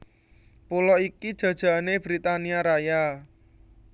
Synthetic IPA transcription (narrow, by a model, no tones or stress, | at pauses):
pulɔikid̥ʒ̥ä̤d̥ʒ̥a̤neb̥ɾit̪aniaɾaja